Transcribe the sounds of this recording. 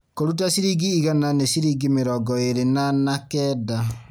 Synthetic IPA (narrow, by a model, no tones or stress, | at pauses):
koɾut̬asiɾiɡiːɣananesiɾiɡimeɾɔɡɔeɾenanakɛda